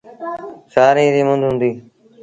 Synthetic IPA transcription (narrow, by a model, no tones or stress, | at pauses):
saːɾĩːɾiːmʊ̃nd̪ʱɦʊ̃nd̪iː